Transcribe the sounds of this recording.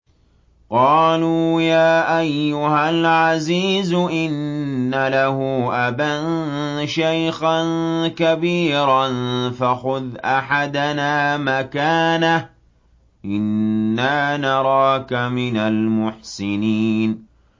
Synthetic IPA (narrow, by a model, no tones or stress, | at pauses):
qɑːluːjaːʔajːʊhalʕaziːzʔɪnːalahʊʔabanʃajxankabiːɾanfaxʊðʔaħad̪anaːmakaːnah | ʔɪnːaːnɑɾˤɑːkamɪnalmʊħsɪniːn